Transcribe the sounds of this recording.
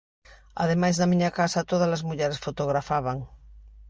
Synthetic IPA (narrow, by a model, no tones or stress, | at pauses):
a̰ð̞emajzðamiɲakasat̪oð̞alazmuʎɛɾesfot̪oɣɾafaβ̞aŋ